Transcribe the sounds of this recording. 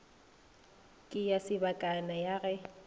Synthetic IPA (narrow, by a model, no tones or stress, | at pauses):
kʼɪjasɪbakʼanajaɣɛ